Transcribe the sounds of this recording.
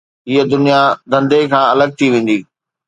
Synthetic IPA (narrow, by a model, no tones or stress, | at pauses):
ɦiəd̪ʊnijad̪ʱɐ̃nd̪ekʰãːɐləɡ̚t̪ʰiʋẽːn̆d̪iː